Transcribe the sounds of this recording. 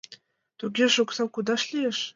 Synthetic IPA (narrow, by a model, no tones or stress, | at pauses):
t̪uɡʲeʃuksɑwkud̪ɑʃlʲieʃ